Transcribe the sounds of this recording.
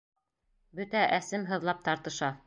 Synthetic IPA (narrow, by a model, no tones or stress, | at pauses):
bɵt̪æʔæsɘmɦɤ̆ðlˠɑp̚t̪ɑɾt̪ɤ̆ʃɑ